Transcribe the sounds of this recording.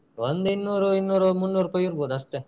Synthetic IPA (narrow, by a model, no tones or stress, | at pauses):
ond̪inːuːɾuinːuːɾɐmunːuːɾupɐjiɾboːd̪uɐʂʈe